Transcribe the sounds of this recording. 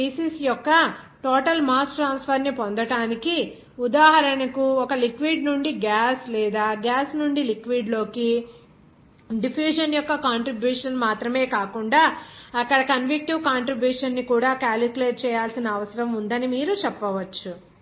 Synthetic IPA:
iːsiːsjɔkːɐ | ʈɔːʈɐlmaːsʈʈɾaːnspʰɐɾnipond̪ɐʈaːniki | ud̪aːɦɐɾɐɳɐkuɔkɐlikʋiːɖnuɳɖiɡaːslɛːd̪aːɡaːsnuɳɖilikʋiːɖlo̞ːki | ɖipʰjuːʃɐnjɔkːɐkaːɳʈɾibjuːʂɐnmaːt̪ɾɐme̞ːkaːkuɳɖaːɐkːɐɽɐkɐnʋik̚ʈiʋkaːɳʈɾibjuːʂɐnːikuːɽaːkaːlikuleːʈ̚t͡ʃɛːjaːlsinɐːʋɐsɐɾɐmund̪ɐnimiːɾut͡ʃɛpːɐʋɐt͡ʃːu

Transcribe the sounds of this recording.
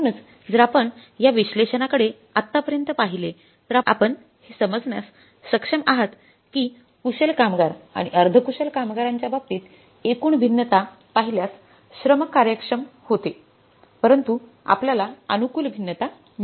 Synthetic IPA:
nət͡s | d͡zəɾapəɳjaʋiɕleɕənakəɽe | at̪ːapəɾjənt̪əpaɦile | t̪əɾaa̰pəɳ | hesəməd͡zɳja̰sː | əkʂəmaɦət̪ | kiː | kuɕelkamɡaɾa̰ɽ̃iəɾd̪ʱəkuɕəlkamɡaɾaɲt͡ɕjabab̚t̪iːt̪ | ekuːɳbʱinːət̪a | paɦiljas | ɕɾəməkːaɾjəkʂəmhot̪e | pəɾənt̪u | a̰pljalaə̰nukuːlbʱinːət̪a | m

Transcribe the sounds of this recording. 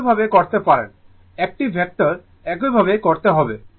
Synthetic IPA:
bʱabekoɾt̪epaɾḛn | ɛk̚ʈibʱɛk̚ʈaɾ | ɛk̬ojbʱabekoɾt̪eɦɔbe

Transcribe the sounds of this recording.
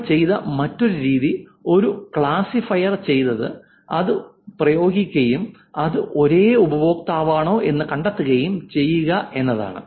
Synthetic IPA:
t͡ɕe̞jðɐ̰mɐtːo̞ɾuɾiːðio̞ɾukɭaːsifɐjɐrt͡ɕe̞jnːɐðɨ | ɐðɨ | prɐjo̞ːɡikʲːɐjum | ɐðɨʔo̞ɾe̞ːubɐjo̞ːkt̪aːʋaːɳo̞ːʔe̞nːɨkɐɳɖɐt̪ːuɣɐjumt͡ɕe̞jːuɣɐe̞nːɐða̰ːɳɨ̰

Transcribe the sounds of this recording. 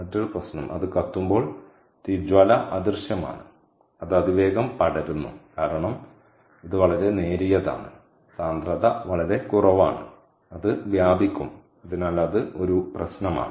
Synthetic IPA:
ɐtːɐɭprɐɕnɐmʔɐ̰ðɨkɐt̪ːumbo̞ːɭ | t̪id͡ʑʋɐlɐʔɐd̪irɕjɐma̰ːɳɨ̰ | ɐðɐd̪iʋe̞ːɡɐmpɐɽɐɾunːṵkaːɾɐɳɐm | iðɨʋɐɭɐɾe̞ne̞ːɾijɐða̰ːɳɨ̰ | saːnd̪rɐðɐʋɐɭɐɾe̞kurɐʋa̰ːɳɨ̰ | ɐðɨʋjaːbikʲːum | ɐðinaːlɐðɨo̞ɾuprɐɕnɐma̰ːɳɨ

